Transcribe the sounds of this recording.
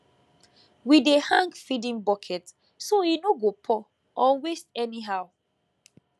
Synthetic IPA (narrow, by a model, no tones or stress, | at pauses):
widehãŋɡfidĩnbɔkʰɛt | soinoɡopʰɔ | ɔwestɛniɦaʊ